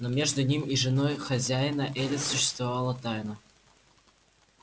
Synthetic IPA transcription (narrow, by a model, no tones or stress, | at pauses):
nomʲeʐd̪ʊnʲimʲiʐɨnojxɐzʲæjnəʔɛlʲɪsʊɕːɪst̪vavalˠət̪ajnə